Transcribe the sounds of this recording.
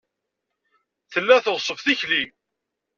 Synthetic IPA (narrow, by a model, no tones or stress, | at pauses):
θəlːæθoʁsˤəvθiçlim